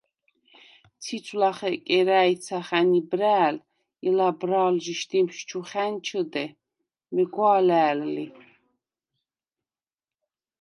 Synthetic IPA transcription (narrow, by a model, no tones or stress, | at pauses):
t͡sʰit͡ʃʰʼlaχɛkʼɛɾæj̪t͡sʰaχænibɾæːl | ilabɾaːlʒiʃt̪imʃt͡ʃʰuχænt͡ʃʰəd̪ɛ | mɛɡwaːlæːlːi